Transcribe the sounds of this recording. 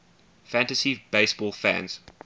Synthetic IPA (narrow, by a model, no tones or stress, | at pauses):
fæ̃ntəsibeɪsb̥ɔlˠfæ̰̃nz̥